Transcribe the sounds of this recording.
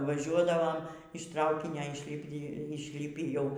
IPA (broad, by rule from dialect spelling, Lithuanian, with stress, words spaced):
ʋɐˈʒʲuɔdɐʋoːm ɪʃ ˈtrɐʊkʲɪnʲoː ɪʃʲˈlʲɪpʲɪ ɪʃʲˈlʲɪpʲiː jɛʊ